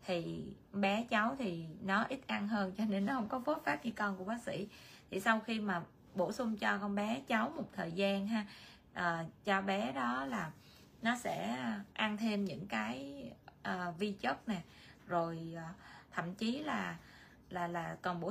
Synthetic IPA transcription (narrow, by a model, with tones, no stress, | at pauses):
t̪ʰi˨˩ | ɓɛ˨˦t͡ɕa˨˦wt̪ʰi˨˩nɔ˨˦ʔi˦˥t̚ʔa˧nɦəː˧ŋt͡ɕɔ˧ne˧nːɔ˨˦hə˧wŋ͡mkɔ˨˦fo˦˥t̚faː˦˥p̚ɲɨ˧kɔ˧nku˧˩əɓaː˦k̚sḭ˧˥˨t̪ʰi˨˩sa˧wxi˧maː˨˩ | ɓo˧˩sʊ˧ŋ͡mt͡ɕɔ˧kɔ˧nɓɛ˨˦t͡ɕa˨˦wmo˨˩t̚t̪ʰəː˨˩jzaː˧nɦaː˧ | ʔəː˨˩t͡ɕɔ˧ɓɛ˨˦ɗɔ˨˦laː˨˩ | nɔ˨˦sɛ̰˧˥ʔa˧nt̪ʰe˧mɲɨ̰˧˥ŋkaː˨˦jʔəː˨˩vi˧t͡ɕə˦˥t̚nɛ˨˩ | zo˨˩jːt̪ʰə̰˧˨mt͡ɕi˨˦laː˨˩ | laː˨˩laː˨˩kɔ˨˩nɓo˧˥